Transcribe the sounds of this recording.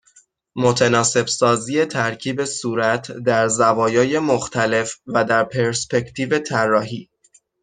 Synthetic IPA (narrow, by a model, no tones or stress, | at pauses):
mo̞t̪ʰenɒːse̞bsɒːziːje̞t̪ʰæɾcʰiːbe̞suːɾæt̪ʰd̪æɾzævɒːjɒːje̞moxt̪ʰæle̞fvæd̪æɾpʰe̞ɾspe̞cʰt̪ʰiːve̞t̪ʰærːɒːɦiː